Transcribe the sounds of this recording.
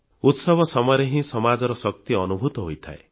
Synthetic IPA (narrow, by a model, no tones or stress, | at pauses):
ut̪sɔbʱɔsɔmɔɾeɦĩsɔmad͡ʒɔɾɔsɔk̚t̪iɔnubʱut̪ɔɦojt̪ʰae